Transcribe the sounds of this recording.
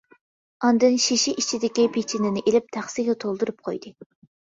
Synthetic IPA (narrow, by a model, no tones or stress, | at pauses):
ɑnd̪ɨnʃiʃiʔit͡ʃʰid̪ɪkʲipʰet͡ʃʰinɪnɪʔelɪp̚t̪ʰæχsiɡʲɛt̪ʰolˠd̪uɾup̚qʰo̰jd̪ɨ